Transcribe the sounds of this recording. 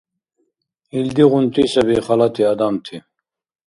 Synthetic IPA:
ild̪iʁunt̪isɐbiχalat̪ʰiad̪amt̪ʰi

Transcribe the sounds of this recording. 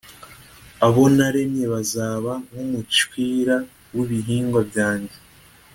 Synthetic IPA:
aβo̞naɾe̞mɲe̞βazaːβaŋumut͡ʃwiːɾa | wiβiɦiːŋɡwabjaːɲɟe

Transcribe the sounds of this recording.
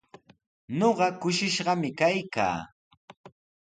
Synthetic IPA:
noɢɑkʊʃɪʃɢɑmɪkajka̰ː

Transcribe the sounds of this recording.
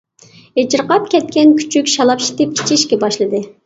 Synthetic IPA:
et͡ʃɪɾqɑp̚kʲʰɛt̪̚kʲɛnkʲʰy̥t͡ʃʰykʲʃɑlˠɑpʃi̥t̪ɪp̚i̥t͡ʃʰiʃkʲɛbɑʃlˠɨd̪ɨ

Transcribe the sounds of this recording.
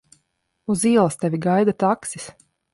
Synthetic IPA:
uziɛlˠɐst̪ʲɛvʲiɡajd̪at̪aksi̥s

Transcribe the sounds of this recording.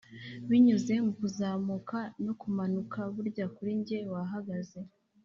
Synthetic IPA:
βiɲuze̞mukuzaːmukanokumanukaβuɾɟakuɾiɲɟe̞waɦaɡaze̞

